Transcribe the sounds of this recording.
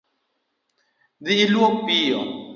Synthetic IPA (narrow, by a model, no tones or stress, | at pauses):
ðiːluopio